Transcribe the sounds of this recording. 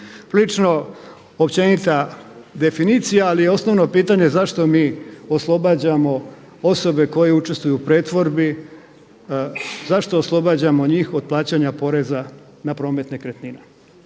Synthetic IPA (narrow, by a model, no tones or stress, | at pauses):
pɾilit͡ʃno̞ | opt͡ɕe̞nit̪ad̪e̞finiːt̪sijaːlijeo̞sno̞ʋno̞piːt̪aɲe̞zaʃt̪o̞miːoslˠo̞bad͡ʑamo̞ | oso̞be̞ko̞je̞ut͡ʃe̞st̪ʋujupɾeːt̪ʋo̞ɾbi | zaʃt̪o̞ːslˠo̞bad͡ʑamo̞ɲiːxod̪̚plˠaːt͡ɕaɲapo̞ɾe̞za | napɾo̞ːme̞t̪ne̞kɾet̪nine